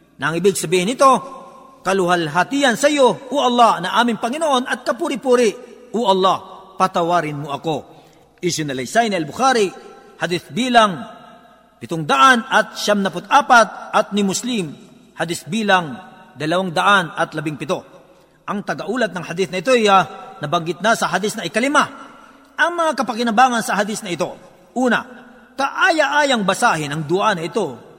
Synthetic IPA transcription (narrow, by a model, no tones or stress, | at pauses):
nɐŋɪbɪɡ̚sɐbiːhɪnɪt̪o̞ | kɐlʊhalɦat̪ijɐnsɐjoʔʊʔɐlˠːɑhnɐʔaːmɪŋpɐŋɪnoʔo̞nʔɐt̪̚kɐpuːɾɪpuːɾɪ | oʔɐlˠːɑhpɐt̪ɐwaːɾɪnmoʔɐko̞ | ʔɪsʊnɐlɐjsajniɐlbʊxaːɾi | hɐd̪iθbiːlɐŋ | pɪt̪oŋd̪ɐʔanɐt̪̚ʃamnɐpʊt̪̚ʔaːpat̪̚ʔɐt̪̚nɪmʊslɪm | hɐd̪ɪsbiːlɐaŋd̪ɐlɐwaŋd̪ɐʔanɐt̪lɐbɪŋpɪt̪o̞ | ʔɐŋt̪ɐɡɐʔuːlɐt̪nɐŋhɐd̪ɪθnɐɪt̪̬ojanɐbɐŋɡɪt̪̚nasɐɦad̪ɪsnɐʔɪkɐlɪma | ʔɐŋmɐŋakɐpɐkɪnɐbaːŋɐnsɐɦad̪ɪsnɐɪt̪o̞ | ʔuːnɐ̰ | kɐʔaːjaʔaːjɐŋbɐsaːhɪnɐŋd̪ʊʔanɐɪt̪o̞